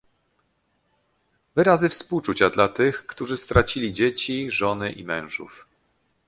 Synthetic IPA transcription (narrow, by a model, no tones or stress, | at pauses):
vɘɾazɘfspuwt͡ʂut͡ɕad̪lat̪ɘxkt̪uʐɘst̪ɾat͡ɕilʲid͡ʑet͡ɕiʐɔnɘʔḭmɛ̃w̃ʐṵf